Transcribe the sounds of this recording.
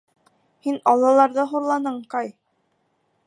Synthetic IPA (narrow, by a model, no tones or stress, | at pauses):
hinɑlˠɑlˠɑɾðɤɦuɾlˠɑnɤɴqɑj